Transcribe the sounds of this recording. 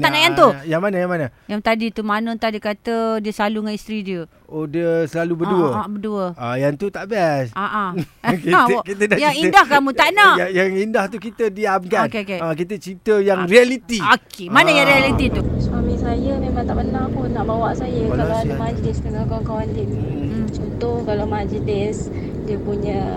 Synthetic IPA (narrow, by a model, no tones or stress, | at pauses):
aʔnaʔjant̪ujaŋmanajaŋmanəjaŋt̪adit̪umanə̃t̪adiəkat̪ədiəsəlaluŋanist̪ɾidiə | odiəsəlalubəduəbəduəajant̪ut̪aʔbasaʔakikit̪ədajaŋidahkamũt̪aʔnaajaŋindaht̪ukit̪ədiabɡat̪kekeak̬it̪ət͡ʃɾit̪əjaŋrialit̪iokemanəjaŋɾialit̪it̪uswamĩsajəmemãŋt̪aʔbənapʊnːaʔbawaʔsajəkalkaaamad͡ʒlɪsdəŋakaaŋkawant̪ini | t͡ʃɔnt̪ʊhkalamad͡ʒənɪs | diəpuɲə̃